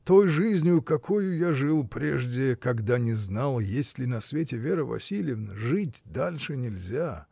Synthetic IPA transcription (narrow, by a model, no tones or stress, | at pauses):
t̪ojʐɨzʲnʲɪjʊkɐkʰojʊjaʐɨlˠpɾʲḛʐdʲɪkɐɡd̪anʲɪznalˠjesʲlʲɪnɐsvʲetʲɪvʲeɾəvɐ̰sʲilʲɪjɪvnəʐɨtʲd̪alʲʂɨnʲɪlʲzʲa